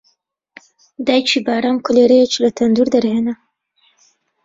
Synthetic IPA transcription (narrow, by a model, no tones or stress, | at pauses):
d̪aːjt͡ʃʰiːbaːɾaːmkʊleːɾɛjet͡ʃilɐt̪ʰɐnd̪uːɾd̪ɐɾheːnɐ